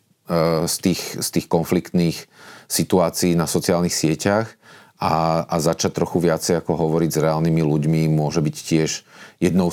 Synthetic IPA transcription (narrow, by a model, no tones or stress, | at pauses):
st̪iːxst̪iːxkɔnflikt̪niːxsit̪uaːt͡siːnasɔt͡siaːlnixsɪɛcaxʔaazat͡ʃac̚t̪ɾɔxuʋɪat͡sɛjakɔɦɔʋɔɾiɟzɾɛaːlnimiluɟmimʊɔʒɛbiccɪɛʒjɛd̪nɔʊ